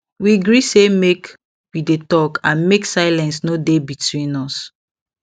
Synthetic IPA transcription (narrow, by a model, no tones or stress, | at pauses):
wiɡɹisemek | widetɔkʰãnmeksaɪlɛ̃nsnodebitwĩnɔs